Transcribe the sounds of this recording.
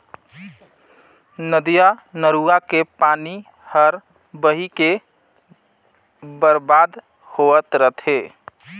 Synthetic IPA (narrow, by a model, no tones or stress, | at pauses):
nəd̪ijanəɾuakepaːni | həɾ | bəɦike | bəɾbaːd̪ | hoət̪ɾət̪ʰe